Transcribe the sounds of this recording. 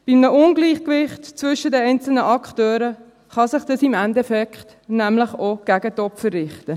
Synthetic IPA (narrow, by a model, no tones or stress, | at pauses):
b̥imnəʔʊnɡliːχkʋɪχtt͡svʏʃədɛɛɪnt͡sl̩nəʔɑkχtøːɾə | χɑsɪχd̥əsimændɛfɛkχt | næmləχoɡ̥æɡətɔpfərːɪχtə